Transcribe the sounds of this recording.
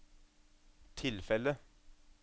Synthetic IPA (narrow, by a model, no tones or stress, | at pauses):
t̪ʰɪlfɛlə